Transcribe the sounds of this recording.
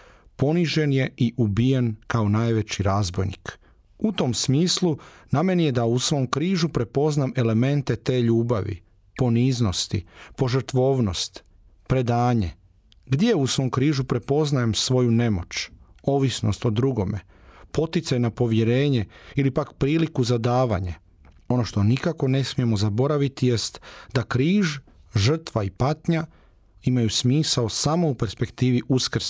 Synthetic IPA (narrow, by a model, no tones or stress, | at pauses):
po̞niʒe̞nje̞iʔubijenkaonaːjʋet͡ɕiɾaːzbo̞jnḭk | ut̪o̞msmiːsluname̞nije̞d̪ausʋo̞ːmkɾiːʒupɾe̞po̞zname̞le̞me̞nt̪e̞t̪e̞ːʎuːbaʋḭ | po̞niːzno̞st̪ḭpo̞ʒəɾt̪ʋo̞ːʋno̞st̪ | pɾe̞d̪aːɲḛ | ɡd̪jeusʋo̞mkɾiːʒupɾe̞po̞znajemsʋo̞june̞mo̞t͡ʃo̞ːʋisno̞̰st̪o̞d̪ɾuɡo̞me̞̰ | po̞t̪it̪sajnapo̞ʋje̞ɾe̞ːɲe̞ilipakpɾiːlikuzad̪aːʋa̰ɲe | o̞no̞ʃt̪o̞nikako̞ne̞smije̞mo̞zabo̞ɾaʋit̪ije̞st̪d̪akɾiːʒʒər̩t̪ʋaipat̪ɲa | imajusmiːsaosamo̞upe̞ɾspe̞kt̪iːʋiʔuskr̩s